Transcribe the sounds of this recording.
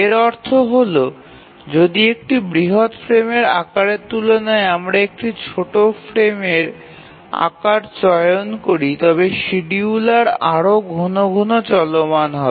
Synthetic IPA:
eɾɔɾt̪ʰoɦolo | d͡ʑod̪iek̚ʈibɾiɦot̪fɾemeɾa̰kaɾet̪ulonaeamɾaek̚ʈit͡ɕʰoʈofɾemeɾ | a̰kaɾt͡ɕɔjonkoɾit̪ɔbeʃiɖiulaɾaɾoɡʱonoɡʱonot͡ɕɔlomanɦɔ

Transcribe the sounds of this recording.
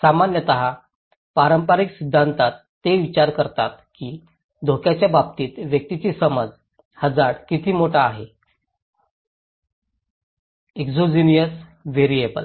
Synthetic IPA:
samanjət̪əɦa | paɾəmpaɾiksid̪ʱːant̪at̪ːeʋit͡ɕaɾkəɾt̪at̪kiː | d̪ʱokjat͡ɕjabab̚t̪iːt̪ʋjək̚t̪it͡ɕiːsəməd͡z | həd͡zaɽkit̪ʰiːmoʈaːɦe | ekzod͡ʑinijəsʋeɾiebə̰l

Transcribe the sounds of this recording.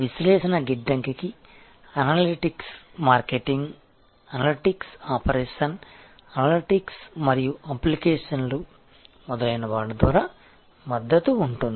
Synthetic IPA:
ʋislɛːʃɐnɐɡiɖːɐŋkiki | ɐnaːliʈiksmaːɾkeʈiŋɡ | ɐnaliʈiksaːpɐɾɛːʂɐn | ɐnaːliʈiksmɐɾijuɐplikɛːʂɐnlu | mɔd̪ɐlɐjinɐʋaːɭːɐd̪ʋaːɾaː | mɐd̪ːɐt̪uːɳʈund̪i

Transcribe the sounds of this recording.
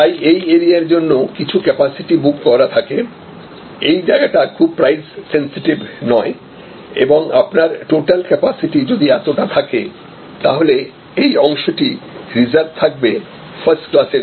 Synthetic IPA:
t̪ajejeɾiaɾd͡ʑonːokit͡ɕʰukɛpasiʈibukːɔɾat̪ʰake | ejd͡ʑaeɡaʈakʰub̚pɾajzsensiʈibnɔe | ḛboŋapnaɾʈoʈalkɛpasiʈid͡ʑod̪iɛt̪oʈat̪ʰake | t̪a̰ɦole | ejɔŋʃoʈiɾid͡ʑaɾb̚t̪ʰak̚be | fʰɐɾsʈklaseɾ

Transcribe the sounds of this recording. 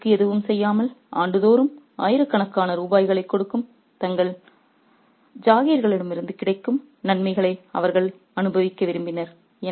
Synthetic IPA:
kːɯɛðɯʋɯmsɛjːaːmɐlʔaːɳɖɯðoːɾɯm | aːjɪɾɯkːɐɳɐkːaːnɐɾuːbaːjɣɐɭɐɪkːɔɽɯkːɯm | t̪ɐŋɡɐɭ | d͡ʒaːɣijɐɾɣɐɭɪɽɐmɪɾɯnd̪ɯkɪɽɐɪkːɯm | nɐnmɐɪɣɐɭɐɪɐ̰ʋɐɾɣɐɭ | ɐnɯbɐʋɪkːɐʋɪɾɯmbɪnɐɾ | ɛ

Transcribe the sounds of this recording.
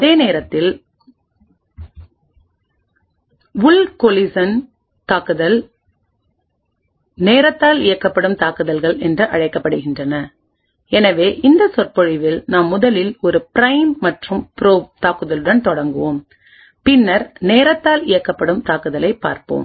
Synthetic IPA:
ɐðeːneːɾɐt̪ːɪl | ʋʊlkɔlɪsɐn | t̪aːkɯðɐl | neːɾɐt̪ːaːlɪjɐkːɐpːɐɽɯmt̪aːkɯðɐlɣɐɭɛndrɯʔɐɻɐɪkːɐpːɐɽɯɣɪndrɐnɐ | ɛnɐʋeːʔɪnd̪ɐsɔrpɔɻɪʋɪlnaːmːʊðɐlɪlɔɾɯpɪɾɐɪmmɐʈrɯmpɪɾoːt̪aːkɯðɐlɯɽɐnt̪ɔɽɐŋɡɯʋoːm | pɪnːɐɾneːɾɐt̪ːaːlɪjɐkːɐpːɐɽɯmt̪aːkɯðɐlɐɪpːa̰ːɾpo̰ːm

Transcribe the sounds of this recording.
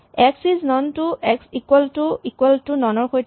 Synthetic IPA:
ɛksiznɔntuɛksikwaltuikwaltunɔnɔɹxojt

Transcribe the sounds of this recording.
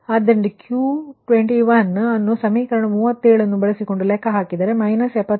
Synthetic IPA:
ɐd̪ɐɳɖukjuːʈʋeɳʈiʋɐnːɐnːusɐmiːkɐɾɐɳɐmuːʋɐt̪ːeːɭɐnːubɐɭesiko̞ɳɖulɛkʰːɐɦaːkid̪aːɾemɐjnɐsɛpːɐ

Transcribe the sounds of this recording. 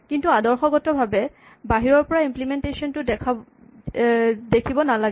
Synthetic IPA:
kintuadɔɹxɔɡɔtɔbʱabɛ | baɦiɹɔɹpɔɹaimplimentesiɔntʊdɛkʰa | dekʰibɔnalaɡ

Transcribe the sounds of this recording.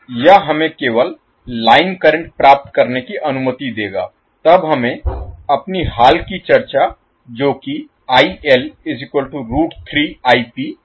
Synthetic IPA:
jɐɦɐmẽkeːʋəlː | aːɪnkəɾə̃ɳʈ̚pɾaːp̚t̪kəɾnekiʔɐnʊmət̪id̪eːɡa̰ː | t̪ɐbɦɐmẽɐpniɦaːlkit͡ʃəɾt͡ʃa | d͡ʒoːki | aːiʔɛlɪzɪkwəlʈuɾuːʈt̪ʰɾiːaːipi

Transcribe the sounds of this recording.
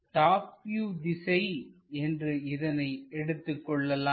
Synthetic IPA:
ʈaːpjuːd̪ɪsɐɪɛndrɯɪðɐnɐɪɛɽɯt̪ːɯkːɔɭːɐlaː

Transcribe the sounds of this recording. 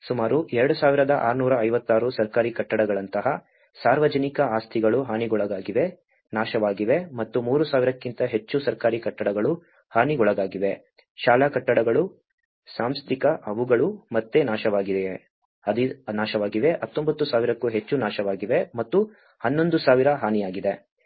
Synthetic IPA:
sumaːɾuʔɛɾɐɽusaːʋiɾɐd̪ɐʔa̰ːɾnuːɾɐɐjʋɐt̪ːaːɾusɐɾkaːɾikɐʈːɐɽɐɡɐɭɐnt̪ɐɦɐ | saːɾʋɐd͡ʒɐnikɐaːst̪ʰiɡɐɭuɦaːniɡɔɭɐɡaːɡiʋe | naːʃɐʋaːɡiʋe̞mɐt̪ːumuːɾusaːʋiɾɐkːint̪ɐɦe̞t͡ʃːusɐɾkaːɾikɐʈːɐɽɐɡɐɭu | haːniɡɔɭɐɡaːɡiʋe̞ | ʃaːlaːkɐʈːɐɽɐɡɐɭu | saːmst̪ʰikɐʔɐʋuɡɐɭumɐt̪ːenaːʃɐʋaːɡid̪e | ɐd̪inaːʃɐʋaːɡiʋe̞ɦɐt̪ːombɐt̪ːusaːʋiɾɐkːuɦe̞t͡ʃːunaːʃɐʋaːɡiʋe̞mɐt̪ːu | hɐnːo̞nd̪usaːʋiɾɐɦaːnijaːɡid̪e

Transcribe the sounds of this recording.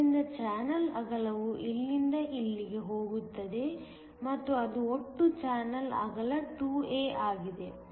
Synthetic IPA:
ind̪ɐt͡ʃaːnɐlɐ̰ɡɐɭɐʋuʔilːind̪ɐʔilːiɡe̞ɦo̞ːɡut̪ːɐd̪e̞ | mɐt̪ːuɐd̪uoʈːut͡ʃaːnɐlɐ̰ɡɐlɐʈuːeːʔaːɡid̪e̞

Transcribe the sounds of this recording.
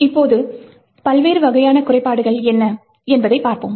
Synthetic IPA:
ɪpːoːðɯ | pɐlʋeːɾɯʋɐɣɐjaːnɐkʊrɐɪpːaːɽɯɣɐɭɛnːɐ | ɛnbɐðɐɪpːaːɾpoːm

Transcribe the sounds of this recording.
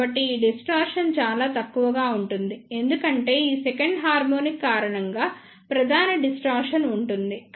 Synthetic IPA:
ɐʈːiːɖisʈaːɾʂɐnt͡ʃaːlaːt̪ɐkːuʋɐɡaːuɳʈund̪ie̞nd̪ukɐɳʈe̞ːiːsɛkɐɳɖɦaːɾmoːnikːaːɾɐɳɐŋɡaː | pɾɐd̪ʱaːnɐɖisʈaːɾʂɐnuɳʈund̪i

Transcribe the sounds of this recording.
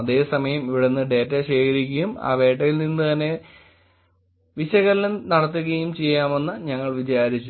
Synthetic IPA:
ɐðe̞ːsɐmɐjɐmiʋiɽenːɨɖe̞ːtːɐɕe̞ːkʰɐɾikʲːujuma̰ːʋe̞ːʈːɐjilninːɨt̪ɐnːe̞ | ʋiɕɐɣɐllunnɐɽɐt̪ːuɣɐjumt͡ɕe̞jːaːmenːɐɲɐŋːɐɭʋit͡ɕaːɾit͡ɕːu

